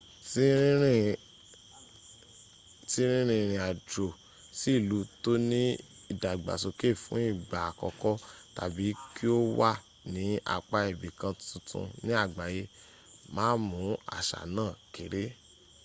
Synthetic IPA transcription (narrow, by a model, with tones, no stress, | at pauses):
si˦ɾĩ˦ɾĩ˦ | si˦ɾ̃ĩ˦ɾ̃ĩ˧ɾ̃ĩ˧a˨dɾo˨ | si˦i˦˨lu˨˦to˦nĩ˦ | i˦˨da˨ɡ͡ba̰˨so˧ke˦˨fũ˨˦i˦˨ɡ͡ba˨a˨kɔ˧kɔ˦ta̰˨bi˨˦ki˦o˦wa˦˨ | nĩ˨˦a̰˧k͡pa˧e˨bi˨kã˧tũ˧˦tʰṵ̃˧nĩ˦a˦˨ɡ͡ba˨je˧ | mãː˦mũ˨˦a̰˦˨ʃa̰˨nãː˦˨ke˨ɾe˨˦